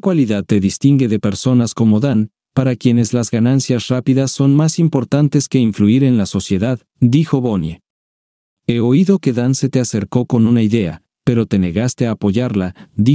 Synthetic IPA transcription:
kwaliðað̚t̪e̞ðist̪iŋɡe̞ðe̞pe̞ɾso̞nasko̞mo̞ðan | paɾakje̞ne̞zlazɣanansjasrapiðasːo̞nmasimpo̞ɾt̪ant̪e̞ske̞iɱfluiɾe̞nlaso̞sje̞ðað | d̪ixo̞βo̞nje̞ | e̞o̞iðo̞ke̞ðanse̞t̪e̞ase̞ɾko̞ko̞nunaiðe̞a̰ | pe̞ɾo̞t̪e̞ne̞ɣast̪e̞aːpo̞ʝaɾlaði

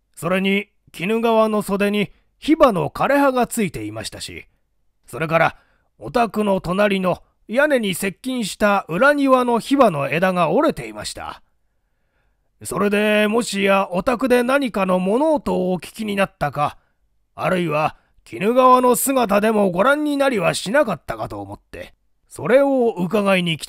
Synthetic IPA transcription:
so̞ɾe̞ɲ̟i | kʲinɯ̟ɡaβano̞so̞d̪e̞ɲ̟i | çibano̞̰kaɾe̞ɦaɡat͡sɨit̪e̞imaɕi̥t̪aɕḭ | so̞ɾe̞k̬aɾa | ot̪akɯ̟no̞t̪o̞naɾʲino̞ | jane̞ɲ̟ise̞kʲːĩɰ̃ɕi̥t̪aʔɯ̟ɾaɲ̟iβano̞çibano̞e̞d̪aŋao̞ɾe̞t̪e̞ima̰ɕi̥t̪a̰ | so̞ɾe̞d̪e̞mo̞ɕijaʔo̞t̪akɯ̟d̪e̞naɲ̟ikano̞mo̞no̞ːt̪o̞ːkʲi̥kʲiɲ̟inat̪ːaka̰ː | ɾɯ̟iβa | kʲʰinɯ̟ɡaβano̞sɨɡat̪̬ad̪e̞mo̞ɡo̞ɾãɲ̟ʲːinaɾʲiβaɕinakat̪ːakat̪o̞ːmo̞t̪ːe̞̰ | so̞ɾe̞oɯk̬aɡaiɲ̟ikʲi̥

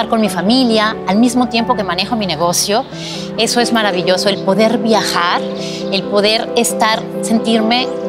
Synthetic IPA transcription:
aɾko̞nmifamiljaːlmizmot̪je̞mpo̞ke̞mãne̞xo̞mine̞ɣ̞o̞sjo̞ | e̞so̞e̞zmaɾaβiʎo̞so̞e̞lpo̞ðe̞ɾβjaxaɾ | e̞lpo̞ðe̞ɾest̪aɾse̞nt̪iɾme̞

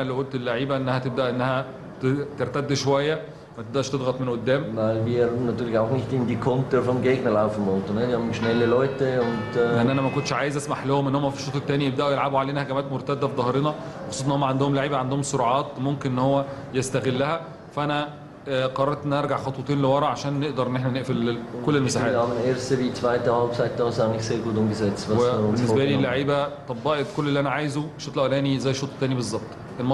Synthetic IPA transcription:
ælæwʔolt̪elːaʕiːbæʔenːæhæt̪eb̚d̪æʔenːæhæ | t̪eɾt̪æd̪ːʃowæjːæ | mæt̪ebd̪æʔʃt̪ed̪ˤɣɑt̪ˤmenʔod̪ːæːmæbinæt̪ulɡaʕknikt̪ind̪ikont̪eɾfomɡeɡnelʕabfilmowt̪ˤened̪jɑmeʃnelːelæt̪ːeont̪eʔænːʔænæmækont̪ːʃʕaːjezʔæsmaħlohomʔenːohomːæfi̥ʃːoːt̪ːˤt̪ːæːnijebd̪æʔujelʕabuʕaleːnæhæɡæmæːt̪moɾt̪æd̪ːæfid̪ˤɑheɾenɑmxɑsˤusˤɑnhomːæʕand̪ohomlaʕiːbæʕand̪ohomsoɾɑʕɑːt̪momkenʔenːhowːæjest̪æɣelːæhæ | fæʔænæ | qɑɾˤɑɾˤt̪ʔenʔɑɾˤɡaʕxɑt̪ˤwet̪ˤiːnlewɑɾˤɑʔʕaʃæːnːeʔd̪ɑɾˤʔenːeħnæneʔfelkolːelmesaħaːmnʔeɾsebit̪faʕet̪ːæwæbsaet̪ːææsænekselɡod̪umɡezæːt̪sæwebenːesbælilːaʕiːbæt̪ˤɑbːɑʔet̪kolːelːiʔænæʕaːjezuʃoːt̪ˤlʔæwlæːnizæjːeʃoːt̪ˤæːnibezˤːɑb̚t̪ˤ | ʔelmɑ

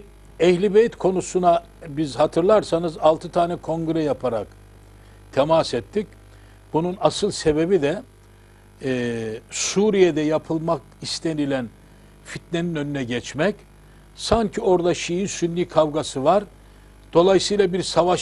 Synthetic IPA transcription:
ɛhlʲibejit̪kʰo̞nusuna | bizhat̪ʰɯɾlˠaɾsanɯzalˠt̪ʰɯt̪ʰaːnɛkʰo̞ŋɡɾɛjapʰaɾa̰k | t̪ʰɛmasɛt̪ʰːic | bununasɯlˠse̞be̞bid̪ɛ | suːɾijed̪ɛjapʰɯlˠmak | ist̪ʰenilʲæn | fit̪̚ne̞ninø̞nynɛɟɛt͡ʃmɛc | saɲcʰio̞ɾd̪aʃijinsynːʲiːkʰavɡasɯvaɾ | d̪̥o̞lˠajsɯjlˠabiɾsavaʃ

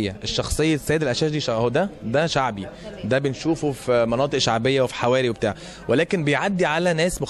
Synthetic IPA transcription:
jːæʔeʃːɑxsˤejːɑsːæjed̪ælʔæʃæːʃd̪iʃɑhod̪æd̪æʃaʕbid̪æbenʃuːfufimɑnɑːt̪ˤɨʔʃaʕbejːæwefi̥ħawæːɾiwebet̪aːʕa | welæːkenbejʕad̪ːiʕalænæːsmox

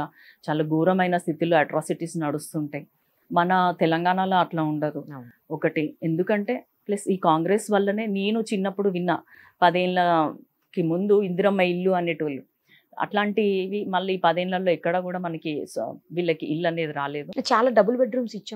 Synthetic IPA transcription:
aː | t͡ʃaːlaːɡuːɾɐmɐjnɐst̪ʰit̪iloːɐʈɾaːsiʈisnnɐɽust̪uːɳʈaːji | mɐnɐt̪ɛlɐŋɡaːnaːlo̞ːɐʈlaːuɳɖaːɾu | ɔkɐʈiend̪ukɐɳʈe̞ː | plesiːkaːŋɡɾesʋɐlːɐne̞ːneːnut͡ʃinːɐpːuɽuʋinːɐpɐd̪eːnlɐ | kimund̪uind̪uɾɐmːɐilːuɐne̞ːʈiʋɐlːu | ɐ̰ʈlaːɳʈiʋimɐlːɐiːpɐd̪eːnlɐlːo̞ːikːɐɽɐːkuːɽaːmɐnɐkiʋiːlːɐkiʔilːɐne̞ːd̪iɾaːle̞ːd̪ut͡ʃaːlaːɖɐbulbeɖɾuːmsit͡ʃːaː

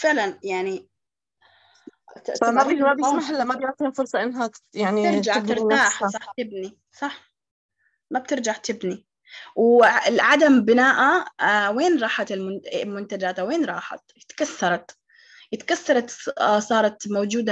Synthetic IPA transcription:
fɪʕlanjaʕni | mababaħɪlːamabat̪iːnfʊɾsˤɑʔɪnːɦajaʕniɪɾd͡ʒaɪɾt̪aːħsˤɑħt̪ɪbni | sˤɑħ | mab̚t̪ɪɾd͡ʒaʕt̪ɪbni | wɪlʕad̪ambɪnaːʔaweːnɾˤɑːħat̪ɪlmʊnɪlmʊnt̪ad͡ʒaːt̪aweːnɾˤɑːħa̰t̪ɪt̪kaθːɑɾˤɑt̪ | jɪt̪kasθːɑɾˤɑt̪sˤɑːɾˤɑt̪moːd͡ʒuːd̪a

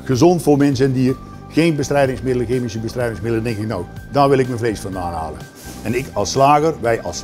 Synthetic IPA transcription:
ɣəzɔntfoːrmɛns̬əɛndiːr | xeːnbəstrɛjdɪŋsmɪdəlˠəɣeːmɪsəbəstrɛjdɪŋsmɪdəl̩ˠədɪŋkɪknoawdaːrʋɪlˠɪk̚mənvreːsfɑnda̰ːna̰ːlə | ɛnɪkɑlˠsːlaːɣərʋɛjʔɑ̰lˠs

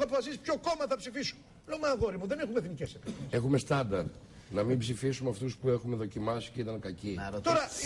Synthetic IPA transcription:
oɐp̬ofɐsisi̥pço̞ko̞mɐθɐpsifisu̥n | lomɐɣo̞ɾimuðe̞ne̞xumeθnicesep̪se̞xume̞st̪ɐnd̪ɐɾ | nɐmimbsifisumeɐft̪uspue̞xume̞ðo̞cimɐsi̥ceit̪ɐŋkɐcit̪o̞ɾɐ

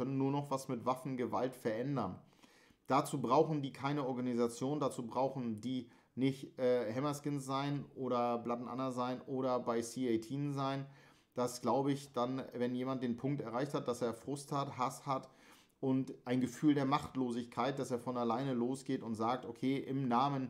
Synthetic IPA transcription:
œnən̩ːuːɐnɔχv̥asmɪtv̥afn̩ɡəvaltfɛɐʔɛndɐn | d̥at͡suːbʁaʊxn̩diːkʰaɪnəɔɐɡanizat͡sjoːndat͡suːbʁaʊxn̩diː | nɪçtʔɛːhɛmɐskɪnsz̥aɪnʔoːɾɐblatn̩ʔa̰nɐzaɪnʔoːɾɐbaɪsiːeɪtʰiːnzaɪn | d̥asɡ̥laʊbəɪçd̥anvɛnjeːmant̚d̥eːnpʰʊŋktɛɐaɪçthat̚d̥aseːɐfʁ̥ʊsthathashat | ʔʊntʔaɪnɡəfyːldeːɐmaχtloːzɪçkʰaɪt̚d̥aseːɐfɔnalaɪnəloːsɡ̥eːtʊntz̥aːk̚tokʰeːʔɪmnaːmən

